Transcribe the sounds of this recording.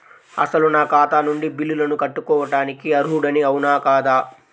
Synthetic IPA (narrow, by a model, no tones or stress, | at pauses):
ɐsɐlunaːkaːt̪aːnuɳɖibilːulɐnukɐʈːukɔːʋɐʈaːnikiɐɾuɦuɽɐniɐwunaːkaːd̪aː